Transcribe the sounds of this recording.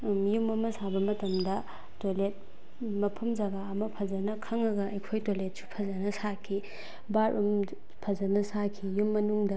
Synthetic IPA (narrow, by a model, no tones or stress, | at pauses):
jumɐmɐsabɐmɐtɐmdɐ | tolet̚ | mɐpʰɐmzɐɡaɐmɐpʰɐzɐnɐkʰɐŋɐɡɐʔɐjkʰojtolet̚su̥pʰɐzɐnɐsakʰi | baɾʔum | pʰɐzɐnɐsakʰijumːɐnuŋdɐ